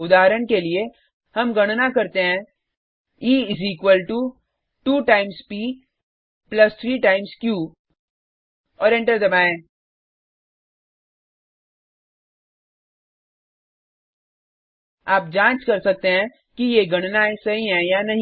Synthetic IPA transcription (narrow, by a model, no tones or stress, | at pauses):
ʊd̪aːɦɾəɽkelie | hɐmɡɐɽ̃nakɐɾt̪eɦɛ̃ | iːɪziːkʋəlʈu | ʈuːʈaːɪmspiː | plɐst̪ʰɾiːʈaːɪmskjuː | ɔːɾẽɳʈəɾd̪ɐbaːẽː | aːp̚d͡ʒãːt͡ʃkɐɾsɐk̚t̪eɦɛ̃ | kijeɡʱɐɽ̃naesɐɦiɦɛ̃janɐɦĩ